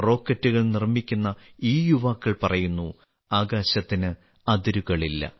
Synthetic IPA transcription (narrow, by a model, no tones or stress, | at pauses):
ro̞ːkːɐtːuɣɐɭnirmikʲːunːɐiːjuʋaːkːɐɭpɐrɐjunːu | aːɡaːɕɐt̪ːinɨ | ɐd̪iɾuɣɐɭilːɐ̰